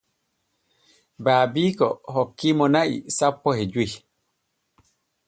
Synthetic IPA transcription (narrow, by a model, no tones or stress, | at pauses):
baːbikɔɦɔkːimɔnaʔḭsapːɔhɛd͡ʒu